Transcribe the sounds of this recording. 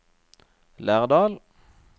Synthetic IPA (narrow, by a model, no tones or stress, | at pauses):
læːʁd̪ɑːl